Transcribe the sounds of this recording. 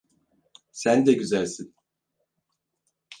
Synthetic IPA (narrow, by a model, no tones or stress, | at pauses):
sænd̪ɛɟyzælʲsin